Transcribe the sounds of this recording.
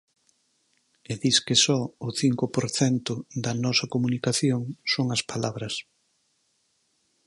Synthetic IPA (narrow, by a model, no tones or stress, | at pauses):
eðiskɪsɔʊθiŋkʊpoɾθɛnt̪ʊd̪ɐnɔsɐkomunikaθjoŋsoŋɐspalaβɾɐs